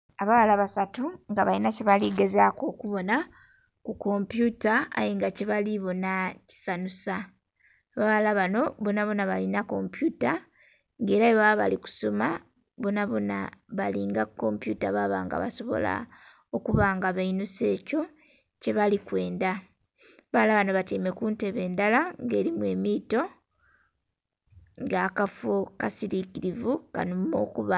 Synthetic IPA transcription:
aβaβalaβasatuŋɡaβalinaceβaliɡe̞zako̞kuβo̞na | kuko̞mpjuta̰ːjiŋɡaceβaliβo̞naci̥sanusa | βaβalaβano̞βonaβo̞naβalinako̞mpjuta | ŋɡe̞ːɾajeβaβa̰liku̥so̞ma | βonaβo̞na̰βaliŋɡakːo̞mpjutaβaβa̰ːŋɡa̰βa̰so̞βo̰la̰ | o̞kuβaŋɡaβainuse̞ːco̞ | ce̞βalikwe̞ːnda | βalaβano̞βatiːme̞kuːnte̞βe̞ːndalaŋɡe̞ːɾimwe̞ːmiːto̞ | ŋɡakafokasiɾikiɾivuka̰numo̞̰kuβa

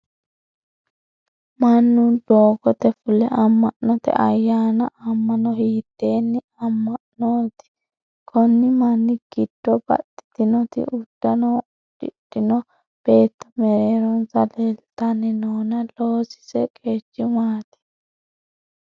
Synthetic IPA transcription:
mɐnːʊnd̪oːɡɔt̪ɛfʊlɛʔɐmːɐʔnɔt̪ɛ̰ʔɐjːaːnɐʔɐmːɐnɔhiːd̪ːeːnːɪ | ɐmːɐʔnoːt̪ɪ̥ | kʰɔnːɪmɐnːɪɡ̥ɪd̪̥ːɔbɐ̰t̪ːɪ̥t̪ɪnɔt̪ɪ̰ʔʊd̪̥ːɐnɔ | d̥ɪd̥ɪnɔ | b̥eːt̪ːɐ̥mɛɾeːɾɔnsɐlelt̪ɐnːɪnoːnɐloːsɪ̥sɛkʼeːt͡ʃːɪmaːt̪ɪ̥

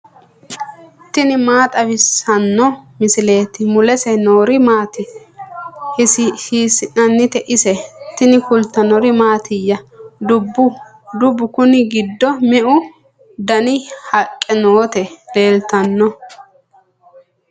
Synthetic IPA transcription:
t̪ɪnɪmaːt̪ʼɐβɪsɐnːɔmɪsɪle̞ːt̪ɪmʊlɛsɛnoːɾɪmaːt̪ɪ | hɪsiːsɪnɐnːɪt̪ɛʔɪsɛt̪ɪnɪkʊlt̪ːɐnɔɾɪmaːt̪ʰɪjːɐd̪ʊbːʊ | d̪ʊbːʊkʊnɪɡɪd̪ːɔmɪʔʊ | d̪ɐnɪhɐkʼːɛnoːt̪ɛle̞ːlt̪ɐnːɔ

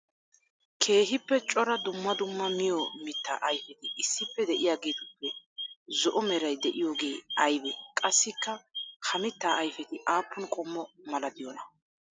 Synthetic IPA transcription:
kʰe̞ːɦɪpːɛt͡ʃʼɔɾɐd̪ʊmːɐd̪ʊmːɐmɪjɔmɪt̪ːa̰ːʔɐjfɛt̪ɪʔɪsːɪpːɛd̪ɛʔɪjaːɡeːt̪ʊpːɛzɔʔɔmɛɾɐjd̪ɛʔɪjo̞ːɡe̞ːɐjbɛkʼɐsːɪkːɐhʰɐmɪt̪ːaːɐjfɛt̪ɪʔaːpʰːʊnkʼɔmːɔmɐlɐd̪ɪjɔnɐ

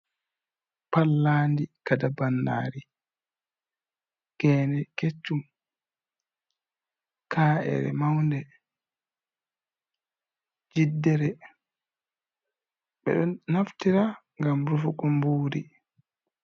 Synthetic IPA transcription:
palːaːndikadabanːa̰ːɾi | ɡɛːnɛket͡ʃːum | kʰaːʔɛ̰ɾɛ̰mawndɛ | d͡ʒidːɛɾɛ | ɓɛ̰ɗɔnaftiɾaŋɡamɾufukːɔmbuːɾi

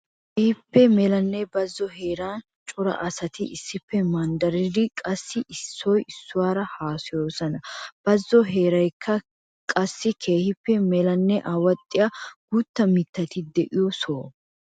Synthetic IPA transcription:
keːhɪpːɛmɛlɐnːɛbɐzːɔhe̞ːɾan | t͡ʃʼʊɾɐ̰ʔɐsɐt̪ɪʔɪsːɪpːɛmɐnd̪ɐɾɪd̪ɪkʼɐsːɪʔɪsːɔjɪsːʊwaːɾɐhaːsɪjo̞ːsɐnɐb̥ɐzːɔɦe̞ːɾɐjkʰːɐ | kʼɐsːɪkʰe̞ːhɪpːɛmɛlɐnːɛʔaːwɐt̪ʼːɪjaɡ̥ut̪ːɐmɪt̪ːɐt̪ɪd̪ɛʔɪjɔsoː

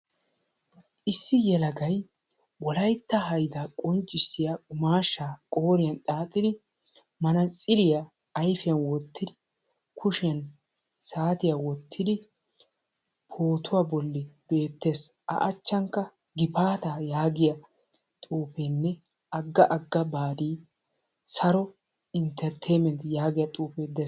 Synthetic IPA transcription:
ʔɪsːɪjɛlɐɡɐj | wɔlɐjt̪ːɐɦɐjd̪aːkʼɔnt͡ʃʼːɪsːɪjaʊmaːʃːaːkʼo̞ːɾɪjɐnt̪ʼaːt̪ʼːɪd̪ɪ | mɐnɐt͡sʼɪlɪjaː | jfɪjɐnwɔt̪ʰːɪd̪ɪ | kʰʊʃɪjɐn | saːt̪ɪjawɔt̪ʰːɪd̪ɪ | pʰo̞ːt̪ʊwaːbɔlːɪb̥e̞ːt̪ːe̞ːsʔɐ̰ʔɐt͡ʃːɐŋkːɐ | ɡɪpaːt̪aːjaːɡɪjɐ | t̪ʼuːpeːnːɛ | ʔɐɡːɐʔɐɡːɐbaːd̪iː | sɐɾɔ | ɪnt̪ʰɛɾt̪ʰɛjmɛnt̪jaːɡɪjɐt̪ʼuːpeːd̪ɛ

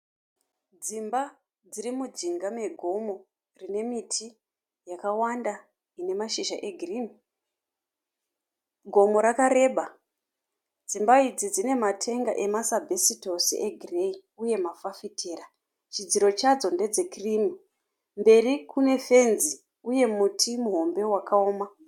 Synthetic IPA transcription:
d͡zimba | d͡zirimud͡ʒiŋɡame̞ɡʱo̞mo̞ | rine̞mitʰi | jakawanda | ine̞maʃiʒaʔe̞ɡʱirimi | ɡʱo̞mo̞ɾakaɾe̞ɓa | d͡zimbaid͡zid͡zine̞matʰe̞ŋɡa̰ʔe̞masabʱesito̞siʔeɡʱirei | uje̞mafafitʰeːra | t͡ʃid͡ziɾo̞t͡ʃad͡zo̞nde̞d͡ze̞krimi | mbe̞rikune̞fe̞nzi | uje̞mutʰimuɦo̞mbe̞wakaoːma

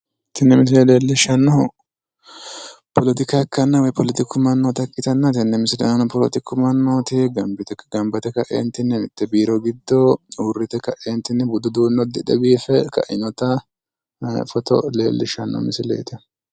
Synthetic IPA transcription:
t̪ɪnːɛmɪs̬ɪlɛleːlːɪʃɐnːɔ | pʰɔlɔt̪ɪkakːɐnːɐwɐjpɔlɪt̪ɪkːʊmɐnːoːt̪ɐkʼːɪt̪ɐnːɐt̪ɪnːɛmɪsɪlɛ̰nɐnɔpɔlɔ̰t̪ɪkːʊmɐnːoːt̪ɪɡɐmbɪt̪ɛɡɐmbɐt̪ɛkɐʔḛːnt̪ɪnːɛnɪt̪ːɛbiːɾɔɡɪd̪ːouːrːɪt̪ɛkɐʔeːnt̪ɪnːɛbʊd̪ʊd̪uːnːɔd̪ɪᶑɐbiːfɛkɐ̰ʔɪ̰nɔt̪ɐ | fɔt̪ɔ̰lḛːlːɪʃɐnːɔ̰mɪsɪlḛːt̪ɪ

